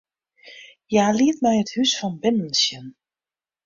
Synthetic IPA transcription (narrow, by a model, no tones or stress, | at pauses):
jaːliətmɛjəthysfɔnbɪnən̩sjən